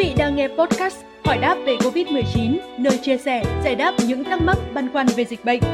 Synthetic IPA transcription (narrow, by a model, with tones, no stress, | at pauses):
vḭ˧˨ɗaː˧ŋːɛ˧pɔ˦˥t̚kaː˦˥s | hɔː˧˩jɗaː˦˥p̚ve˧˩ko˧vi˦˥t̚mɨ˨˩əjt͡ɕi˨˦nnəː˧jt͡ɕi˧əsɛ˧˩zaː˧˩jɗaː˦˥p̚ɲɨ̰˧˥ŋt̪ʰa˦˥mma˦˥t̚ɓaː˧nkwaː˧nve˨˩zï˨˩k̟̚ɓə̰˧˨jŋ̟